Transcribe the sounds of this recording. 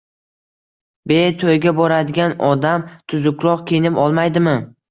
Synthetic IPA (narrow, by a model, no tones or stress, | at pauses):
bet̪ʰojɡʲabɒɾad̪ɪɡʲanɒd̪amt̪ʰʊzʊkʲʰɾɒqkʲʰejnɪpɒlˠmajd̪ɪmɪ